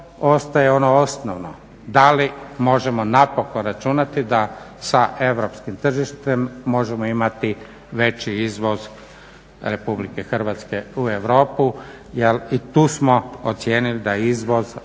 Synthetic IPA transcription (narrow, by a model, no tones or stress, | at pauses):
o̞st̪aje̞o̞no̞osnoʋno | d̪alimo̞ʒe̞mo̞napo̞konɾat͡ʃunat̪id̪a | saʔe̞ʋɾo̞pskimt̪r̩ʒiʃt̪e̞mːo̞ʒe̞moimat̪i | ʋe̞t͡ʃiizʋo̞z | ɾe̞publike̞xr̩ʋat̪ske̞ueʋɾo̞ːpu | jelit̪uːsmoot̪sjeːnilid̪ajizʋo̞z